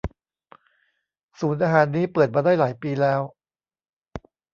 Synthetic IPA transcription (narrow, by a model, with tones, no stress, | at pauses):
suː˩˦nʔaː˧ɦaː˩˦nːiː˦˥pɤː˨˩t̪̚maː˧daː˥˩jlaː˩˦jpiː˧lɛː˦˥w